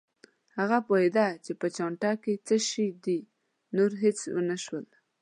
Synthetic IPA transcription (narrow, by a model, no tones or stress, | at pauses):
haɣapoed̪at͡ʃepət͡ʃɑɳʈɑket͡səʃid̪i | noɾɦet͡swə̰naʃwəl